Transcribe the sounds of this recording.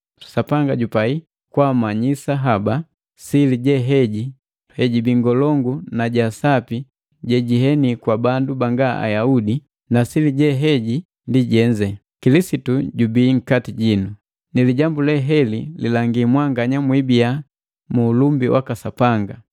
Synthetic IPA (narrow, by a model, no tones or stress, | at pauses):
sapaŋɡaɟupai | kwamaɲisaɦaba | siliɟɛɦɛɟi | hɛɟibiŋɡɔlɔŋɡunaɟasapi | ɟɛɟiɦɛnikwabandubaŋɡaʔa̰jaudi | nasiliɟɛɦɛɟi | ndiɟɛɲd͡ʒɛ | kilisituɟubiːŋ̩katiɟinu | niliɟambulɛɦɛlḭlilaŋɡimwaŋɡaɲamwibija | muːlumbiwa̰kasapaŋɡa